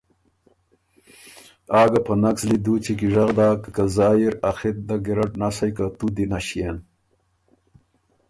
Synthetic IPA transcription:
aːɡɐpʰɐnakslid̪uːt͡ɕikiʐaɣd̪aːkkazaːjiɾaxit̪̚d̪ɐɡiɾɐʈnasɐjkat̪ud̪inaɕien

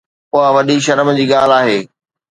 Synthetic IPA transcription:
ʊɦaʋɐɗiʃ̬ɐɾəmd͡ʑiːɠaːl̤aːɦeː

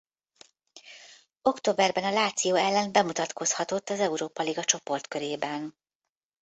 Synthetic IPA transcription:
o̞kt̪oːbɛrbɛnɒlaːt̪sijoːɛlːɛnbɛmut̪ɒt̪ko̞shɒt̪o̞t̪ːɒzɛuɾoːpɒliɡɒt͡ʃo̞po̞rt̪køɾeːbɛn

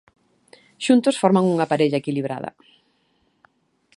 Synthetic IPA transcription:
ʃunt̪ʊsfɔɾmaŋuŋapaɾeʎɐekiliβɾa̰ð̞ɐ̰

